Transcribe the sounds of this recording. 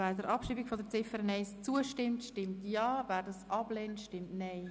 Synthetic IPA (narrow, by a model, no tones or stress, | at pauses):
væːɾdəɾʔɑpʃiːbikfɔdəɾt͡sɪfəɾənɛɪst͡suəʃtɪmtʃtɪmtjɑːvæːɾdɑsʔɑb̥leːntʃtɪmtnɛɪ